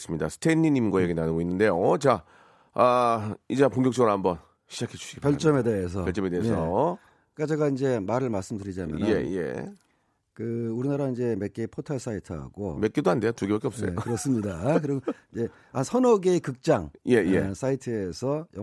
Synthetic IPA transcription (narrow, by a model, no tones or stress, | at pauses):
s͈ɯmɲidasʰɯ̥tʰenːiɲimɡwajeɡinanɯɡoinːɯnde̞jot͡ɕa | aid͡ʑepoŋɡjʌkt͡ɕ͈ʌɡɯɾohambʌn | ɕʰid͡ʑakʰe̞d͡ʑu̥ɕʰiɡepkjʌɭt͡ɕ͈ʌme̞de̞es̬ʰʌʌɭt͡ɕ͈ʌmedeesʰʌ | k͈at͡ɕe̞ɡaind͡ʑe̞maɾɯɭmaɭs͈ɯmdɯɾid͡ʑana̰je̞̰je̞̰ | kɯuɾinaɾaind͡ʑe̞me̞k͈epʰotʰaɭs͈aitʰɯɦa̰ɡo̰me̞k͈edoɦande̞jotuɡebak͈eʌp̚s͈ʌejo̰kɯɾʌs͈ɯmɲidakɯɾiɡid͡ʑe̞ | asʰʌnʌɡekɯk̚t͡ɕ͈aŋje̞je̞s͈ʰaitʰɯe̞sʰʌjʌ